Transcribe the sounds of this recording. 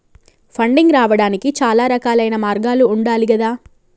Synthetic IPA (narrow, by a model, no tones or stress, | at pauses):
pʰɐɳɖiŋɡɾaːʋɐɽaːnikit͡ʃaːlaːɾɐkaːlɐjnɐmaːɾɡaːluːɳɖaːliɡɐd̪aː